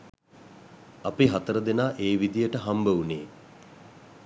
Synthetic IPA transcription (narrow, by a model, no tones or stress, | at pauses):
apiɦat̪əɾəd̪enaːʔeːʋid̪ijəʈəɦambəuneː